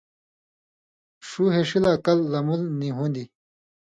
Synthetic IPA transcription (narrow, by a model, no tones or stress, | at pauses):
ʂuɦeʂilaːkɐlːɐmulniɦund̪i